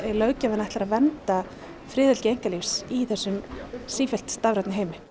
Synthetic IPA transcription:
ɛlœːɥcavɛnaɛht̪laɾaðvɛnt̪a | fɾɪːðɪl̥cɪejŋ̥kalifsiθɛsːʏmsiːfjɛl̥t̪st̪avɾat̪naɦejmɪ

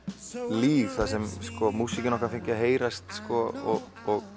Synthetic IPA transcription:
liːvθasɛmskɔmuːsicɪnɔkaɾfɪɲcɪaɦeːjɾast̪skɔɔɣ | ɔɣ

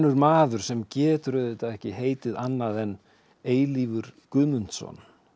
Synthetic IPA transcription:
nːʏɾmaːðʏɾ̥sɛmcɛːt̪ʏɾʏðet̪aðɛhcɪɦeːjt̪ɪðanːaðɛn | eːjlivʏɾ̥kʏðmʏnt̪sɔ̰n

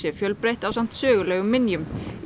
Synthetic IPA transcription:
jɛɾfjœlpɾejht̪awsam̥t̪sœːɣʏlɛːɣʏmːɪnjʏm

